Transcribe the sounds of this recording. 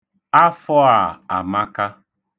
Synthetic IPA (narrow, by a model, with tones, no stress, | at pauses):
a˦fɔ˦a˨a˨ma˦ka˦